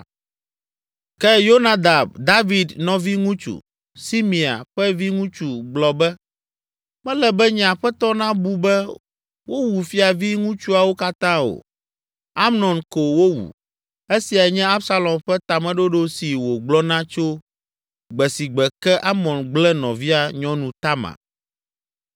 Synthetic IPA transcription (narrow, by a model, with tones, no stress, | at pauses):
kɛ˦jo˦na˦d̪a˨b̚d̪a˦vi˨d̪nɔ̃˦vi˦ŋũ˦t͡ʃṵ˨ | si˦mĩ˨a̰˨ɸɛ˦vi˦ŋũ˦t͡ʃu˨ɡ͡blɔ˨bɛ˦ | mɛ̃˦lɛ˨bɛ˦ɲ̃˨a˨ɸɛ˦t̪ɔ˦nã˦bu˦bɛ˦ | wo˦wu˨fi˦a˨vi˦ŋũ˦t͡ʃu˦a˨wo˦ka˦t̪ã˦o̰˨ | a˦mnɔ̃˨nko˨wo˦wṵ˨ | e˦si˨a˨ɲɛ̃˦a˦bsa˦lɔ̃˨mɸɛ˦t̪a˨mɛ̃˦ɖo˦ɖo˦si˨wo˨ɡ͡blɔ˦nã˦t͡ʃo˦ | ɡ͡bɛ˨si˨ɡ͡bɛ˨kɛ˦ʔa˦mɔ̃˨nɡ͡blɛ˦nɔ̃˨vi˦a˨ɲɔ̃˦nũ˨t̪a˦mã̰˨